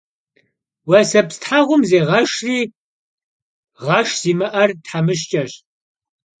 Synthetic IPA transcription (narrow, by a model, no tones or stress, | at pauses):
wɐsɐpstħaʁʷʊmzeːʁɐʃriː | ʁɐʃz̥iːmɨʔɐrtħamɨʃ̬t͡ʃʼɐɕ